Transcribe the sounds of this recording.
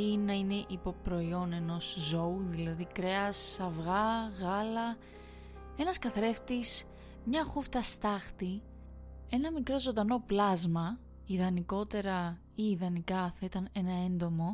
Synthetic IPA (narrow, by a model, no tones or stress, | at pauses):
inɐine̞ʔipo̞pɾo̞io̞ne̞no̞szo̞uðilɐðikɾe̞ɐsɐvɣɐɣɐlɐ | e̞nɐskɐθɾe̞ft̪is | mɲɐxuft̪ɐst̪ɐxt̪i | e̞nɐmikɾo̞zond̪ɐno̞plɐzmɐ | iðɐniko̞t̪e̞ɾɐ | iːðɐnikɐθɐit̪ɐne̞nɐe̞nd̪o̞mo̞